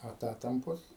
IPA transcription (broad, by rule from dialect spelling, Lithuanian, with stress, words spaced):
ɐˈtɑːtɐmpoːs